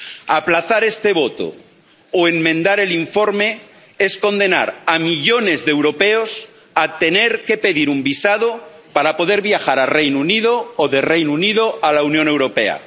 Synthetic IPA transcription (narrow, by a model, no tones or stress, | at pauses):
aplaθaɾe̞st̪e̞β̞o̞t̪o̰ | oeŋmẽnd̪aɾe̞liɱfo̞ɾme̞ | esko̞nd̪e̞na̰ɾamiʎo̞ne̞zðewɾo̞peos | at̪e̞neɾke̞pe̞ðiɾumbisað̞o | paɾapo̞ðe̞ɾβjaxaɾarejnunið̞oːðe̞rejnunið̞oalaunjone̞wɾo̞pe̞̰a̰